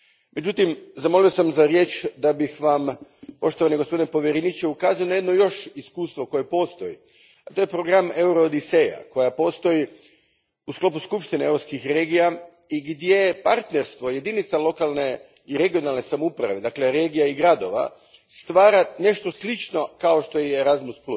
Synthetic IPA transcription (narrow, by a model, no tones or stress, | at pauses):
me̞d͡ʒut̪imzamo̞lijosamzaɾje̞ːt͡ʃd̪abixʋampo̞ʃt̪oʋaniɡospo̞d̪inepo̞ʋjeɾenit͡ʃeukaːzajo̞najed̪no̞jo̞ʃiskuːst̪ʋoko̞je̞po̞ːst̪o̞jḭ | at̪ojepɾo̞ɡɾame̞uɾod̪iseja̰ko̞japo̞st̪o̞ji | usklˠo̞puskupʃt̪ineevɾopskixɾe̞ːɡija | iɡd̪jepaɾt̪neɾst̪ʋo̞je̞d̪init̪salˠo̞kalˠne̞ | iɾe̞ɡio̞nalˠne̞samoupɾa̰ʋe̞d̪akle̞ɾe̞ːɡijaiɡɾad̪o̞ʋa̰ | st̪ʋaːɾane̞ʃt̪oslit͡ʃno̞kao̞ʃt̪o̞jeːɾazmusplu